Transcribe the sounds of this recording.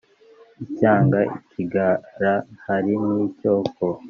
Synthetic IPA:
icaːŋɡaʔicʰiɡaɾahaɾinico̞ːko

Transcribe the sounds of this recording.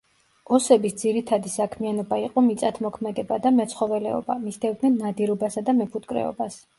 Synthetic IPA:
ɔsɛbisd̪ziɾit̪ʰad̪isakʰmianɔbaiqʼɔmit̪sʼat̪ʰmɔkʰmɛd̪ɛbad̪amɛt̪sʰχɔvɛlɛ̰ɔ̰bamisd̪ɛvd̪nid̪nad̪iɾɔbasad̪amɛpʰut̪ʼkʼɾɛ̰ɔ̰bas

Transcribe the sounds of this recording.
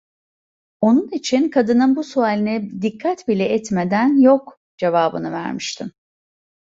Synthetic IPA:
o̞nunit͡ʃʰinkʰad̪ɯnɯnbusuaːlʲinɛd̪ikʰːat̪bilʲɛɛt̪me̞d̪ænjo̞k | d͡ʒe̞vaːbɯnɯvæ̰ɾmiʃt̪ʰim

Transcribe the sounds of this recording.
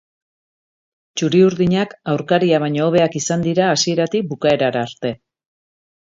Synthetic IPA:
t͡ʃuɾiuɾðiɲakawɾkaɾiaβ̞aɲooβe̞akisand̪iɾaːsie̞ɾat̪ik̚bukae̞ɾaɾaːɾt̪e̞

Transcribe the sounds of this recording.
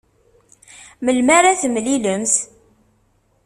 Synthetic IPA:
məlmaɾæθmliləmθ

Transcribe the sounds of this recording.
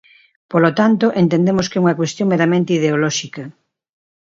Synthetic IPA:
polot̪ant̪oʔent̪ẽnd̪emoskeuŋɐkwest̪jõŋmeɾamẽnt̪eiðeolɔʃikɐ

